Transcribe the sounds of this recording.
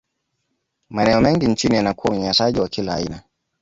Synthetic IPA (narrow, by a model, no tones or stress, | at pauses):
manɛɔmɛŋɡint͡ʃinijanakuwauɲaɲasaʄiwakila̰ːina